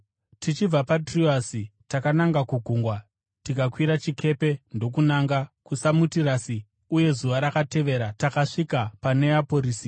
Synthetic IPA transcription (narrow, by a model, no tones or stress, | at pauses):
tit͡ʃib͡vapatriasitakanaŋɡakuɡʱuŋɡwa | tikakwiɾat͡ʃikʰe̞pe̞ndo̞k̬unaŋɡakusamutiɾasi | uje̞zuʋaɾakate̞ʋe̞ɾatakaʂikapane̞apo̞ɾiːsi